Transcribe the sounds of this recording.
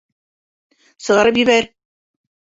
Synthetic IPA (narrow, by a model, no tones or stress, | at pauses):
sɤ̆ʁɑɾɤp̬jɘ̆βæɾ